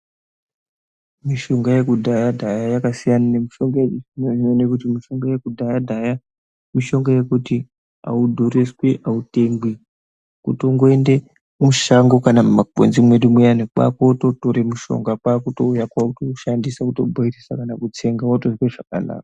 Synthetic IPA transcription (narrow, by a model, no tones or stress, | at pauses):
miʃo̞ŋɡaje̞kudʱajadʱajajakasijananemiʃo̞ŋɡajeinoʐinonekutimiʃo̞ŋɡaje̞kudʱajadʱaja | miʃo̞ŋɡaje̞kuti | a̰udʱoɾesweʔaute̞mbwi | kuto̞ŋɡoende | muʃaŋɡo̞kanamumaɡʱo̰nzimwe̞ɗimwejanekwa̰ko̞to̞toɾemuʃo̞̰ŋɡapaːkutoujakwautoʃandisakuto̞bʱoirisakanakut͡se̞ŋɡawatozweʐaka̰la̰ːka